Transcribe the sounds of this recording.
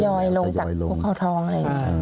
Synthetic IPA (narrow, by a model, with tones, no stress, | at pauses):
jɔː˧jlo˧ŋt͡ɕa˨˩kʰuː˦˥kʰa˥˩wt̪ʰɔː˧˥ŋʔa˧ɾa˧˩˨ŋ˦˥˧